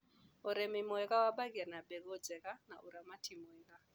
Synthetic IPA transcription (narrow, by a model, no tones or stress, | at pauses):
ɔɾɛmimɔɛkawaɓakianaɓɛɡɔd͡zɛkana̰ʔuɾamatʰimɔɛka